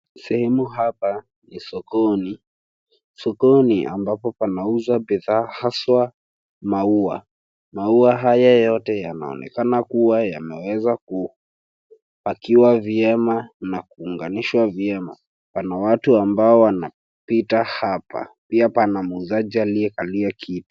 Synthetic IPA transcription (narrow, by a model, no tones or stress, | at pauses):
sɛhɛmuɦapa | nisɔkɔni | sɔkɔniʔa̰mbapɔpanauzabiðaːhaswa | maua̰ | mauaɦajajɔtɛjana̰ɔ̰nʔɛ̰kanakuwaja̰mɛwɛzaku | akiwaviɛmanakuːŋɡaniʃwaviɛma̰ | panawatuambaɔwana | pitahapa̰piapanamuzad͡ʒialiɛkaliakʰitu̥